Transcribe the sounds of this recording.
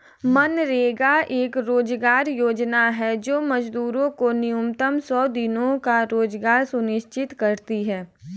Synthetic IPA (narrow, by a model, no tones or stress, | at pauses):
mənɾeːɡaʔeːkɾoːd͡ʒɡaːɾjoːd͡ʒnaɦɛd͡ʒoːmɐd͡ʒd̪uːɾõkonɪjumt̪əmsɔːd̪ɪnõkaɾoːd͡ʒɡaːɾsʊnɪʃt͡ʃɪt̪kɐɾt̪iɦɛː